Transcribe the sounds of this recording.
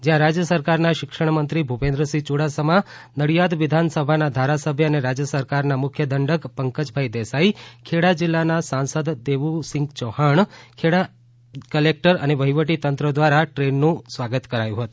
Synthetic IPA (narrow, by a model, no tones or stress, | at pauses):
d͡ʒjãɾad͡ʒjəsəɾkaɾnaʃɪkʂəɳ̃mənt̪ɾibʱupẽnd̪ɾəsit͡ʃuɽasəma | nəɽijad̪ʋɪd̪ʱansəbʱanad̪ʱaɾasəbʱjəəneɾad͡ʒjəsəɾkaɾnamʊkʰjəd̪ʱəɳɖəkpəŋkəd͡ʒbʱaid̪ɛsaikʰeɽad͡ʒɪlːanasãnsəd̪d̪eʋusɪ̃ŋɡt͡ʃɔhaɳkʰeɽa | kəlek̚ʈəɾəneʋəɦiʋəʈit̪ənt̪ɾəd̪ʋaɾaʈɾenːũsʋaɡət̪kəɾajũɦət̪u̥